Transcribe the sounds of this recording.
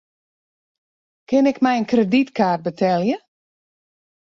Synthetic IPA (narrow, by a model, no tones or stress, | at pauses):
kɪnɪkmɛjənkreditkaːrt̚bətʰɛlˠjə